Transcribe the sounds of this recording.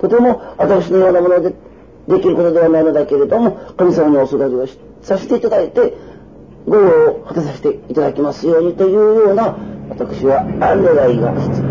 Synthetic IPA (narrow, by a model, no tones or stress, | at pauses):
t̪o̞t̪e̞mo̞βat̪akɯ̟ɕ̬ino̞jo̞ːnamo̞nod̪e | d̪e̞kʲiɾɯ̟ko̞t̪od̪e̞βanainod̪ake̞ɾe̞d̪o̞mo̞kamʲisamaniosoɾaɾʲioɕ | saɕi̥t̪eit̪ad̪ait̪e̞ | ɡoɾoːhat̪as̬aɕi̥t̪e̞it̪ad̪akʲemasɨjo̞ːɲ̟it̪o̞jɯ̟ːjo̞ːnaβat̪akɯ̟̥ɕiβaãndeɡaiɡa̰i̥t͡sɨ̥